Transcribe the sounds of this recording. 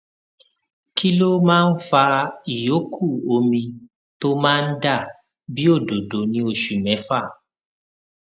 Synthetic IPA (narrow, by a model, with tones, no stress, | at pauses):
ki˦lo˦mãː˦n̩˦fa˧i˨jo˨˦kʰu˦˨o˧mĩ˧ | to˦mãː˦˧n̩˦da˦˨ | bi˦o˦˨do˨do˨nĩ˨˦o˦˨ʃu˨mɛ̃˨˦fa˦˨